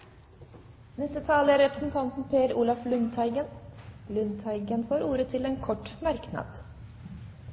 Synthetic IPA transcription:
nɛst̪ət̪ʰɑːləæɾɛpɾəsn̩t̪ʰɑnt̪n̩pʰeːɾuːlɑflʉnt̪ʰɑɪɡənlʉnt̪ʰɑɪɡənfoːɾuːɾət̪ʰɪleːnkʰɔʈːmɑɾknɑ̰ːd̪̥

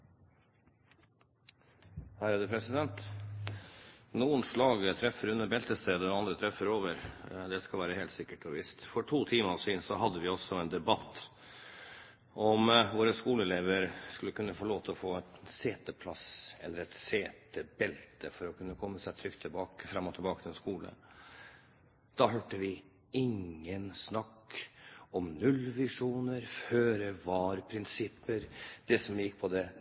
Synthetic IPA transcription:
hæːɾæːd̪əpʰɾɛsɪd̪ɛnt̪ | nuːənslɑːɡət̪ʰɾɛfːəɾʉnːəbɛlt̪əst̪ɾeːd̪əɔɑnd̪ɾət̪ʰɾɛfəɾoːʋəɾd̪ɛskɑlʋæːɾəheːlt̪sɪkːəʈɔʋɪst̪fɔʈʰuːt̪ʰiːmɑsiːnsɔɦɑd̪ːəʋɪɔsːɔɛːnd̪ɛbɑt̪ː | ʔɔmʋoːɾəskuːləɛleːʋəɾskʉlːəkʉnːəfɔɭoːt̪ʰəɔfoːæt̪seːt̪əpʰlɑsɛ̰lːəɾɛt̪seːt̪əbɛlt̪əfɔɾɔkʰʉnːəkʰɔmːəsæɪt̪ʰɾʏkt̪ʰːɪlbɑːkəfɾɑmːɔt̪ʰɪlbɑːkət̪ʰɪlɛnskuːlə̰ | d̪̥ɑɦøːʈəʋɪ | ɪŋːənsnɑkː | ɔmnʉlʋɪʂuːnəɾføːɾəʋɑːɾpʰɾɪnsɪpːəɾd̪̥ɛsɔmjɪkːpʰɔd̪ɛ

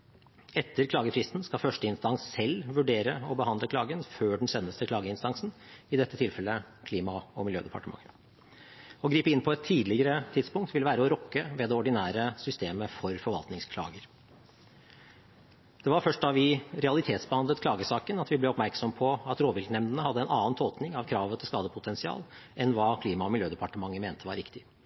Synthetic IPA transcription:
ɛt̪ʰːəɾkʰlɑːɡəfɾɪst̪n̩skɑfœʂʈəɪnst̪ɑŋssɛlːʋʉɖeːɾəɔbəhɑnd̪ləkʰlɑːɡənføːɖɳ̩sɛnːəst̪əklɑːɡəɪnst̪ɑŋsn̩ɪd̪ɛt̪ːət̪ʰɪlfɛlːə | kʰliːmɑɔmɪljøːd̪ɛpɑ̰ʈəmɑ̰ŋːə | ɔɡɾiːpəɪnːpʰɔɛt̪ʰːiːd̪lɪɡəɾət̪ʰɪd̪spʊŋkt̪ʰʋɪlːəʋæːɾəɔɾɔkːəʋɛd̪ɛɔɖɪnæːɾəsʏst̪eːməfɔɾfɔɾʋɑlt̪nɪŋskʰlɑ̰ːɡəɾ | d̪̥ɛʋɑɾfœʂʈɑʋɪɾɛɑlɪt̪ʰeːt̪sbəhɑnd̪ət̪kʰlɑːɡəsɑːkənɑt̪ʋɪblɛɔpmæɾksɔmpʰɔɑt̪ɾoːʋɪlknɛmnd̪ənəhɑd̪ːəɛnɑːnt̪ʰoːt̪nɪŋɑʋkʰɾɑːʋət̪ʰɪlskɑːd̪əpʰʊt̪ʰɛnsɪɑ̰ːl | ʔɛnʋɑːkʰliːmɑɔmɪljøːd̪ɛpɑʈəmɑŋːəmeːnt̪ʰəʋɑɾɪkt̪ɪ

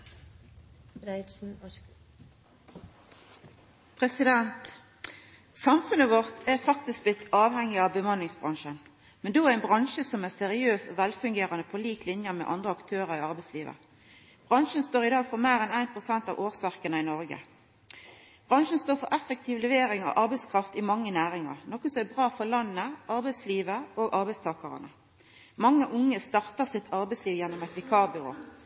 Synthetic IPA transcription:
ɾsn̩ | pʰʁɛsɪd̪ɛnt̪ | sɑmfʉnəʋɔʁt̪ʰæʁfɑk̚t̪ɪsk̚blɪt̪ʰːɑːʋhɛŋːɪɑʋbəmɑnːɪŋsbʁɑŋʃən | mɛnd̪oːæʁɪnbʁɑnʃəsɔmæʁsɛʁɪøːsɔʋɛlfʉŋɡeːʁɑnəpʰɔliːklɪnjəmɛ̰ʔɑ̰nd̪ʁəɑkt̪ʰøːʁəʁɪɑʁbæɪsliːʋə̰ | b̥ʁɑnʃənst̪oːʁɪd̪ɑːɡfɔʁmæːʁɛnæɪnpʰʁʊsɛnt̪ɑ̰ʋʔoːʁsɑʁkənəɪnɔɾɡə̰ | b̥ʁɑŋʃənst̪oːɾfɔɾʔɛfək̚t̪ʰɪːʋlɛʋeːɾɪŋɑ̰ʔɑɾbæɪskʰʁɑft̪ɪmɑŋːənæːɾɪŋɑ̰ʁnɔkːəsɔmæbʁɑːfɔʁlɑnːəʔɑɾbæɪsliːʋəoːɡʔɑʁbæɪst̪ʰɑːkɑʁə̰nə̰ | mɑŋːəʔʊŋːəst̪ɑʁt̪əʁsɪt̪ʰɑʁbɛɪsliːʋjɛnːɔmɛt̪ʋɛkʰɑːbʏʁo̰ː

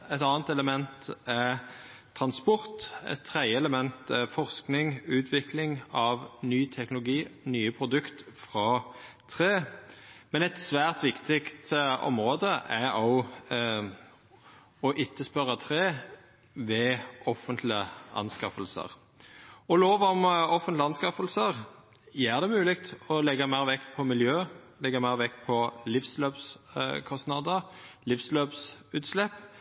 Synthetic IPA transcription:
ɛt̪ɑːnt̪ɛləmɛnt̪ɛ | t̪ʰʁɑnspɔʁt̪ɛ̰t̪ʰːʁæɪəɛləmɛnt̪ɛfɔʁsknɪŋʉːt̪ʰʋɪklɪŋɑʋnyːt̪ʰɛknʊlʊɡiːnyːəpʰʁʊd̪ʉkt̪fʁɑ | t̪ʰʁeːmɛnɛt̪sʋæːʁt̪ʋɪkt̪ɪkt̪ɔ̰mʁoːd̪əʔɛɔ | ɔʔɪt̪ʰːəspœɾɑt̪ʰʁeː | ʋɛɔfənt̪ʰlɪəʔɑ̰nskɑfəlsə̰ʁ | ɔloːʋɔmɔfənt̪lɑnskɑfəlsəʁ | jæːʁd̪ɛmʉːlɪk̚t̪ɔlɛɡːɑmæɪʁʋɛk̪ːpʰɔmɪljøːlɛɡːɑmæɪʁʋɛkːpʰɔlɪfsløːpskʰɔsnɑd̪əʁlɪfsløːpsʉːt̪slɛpː

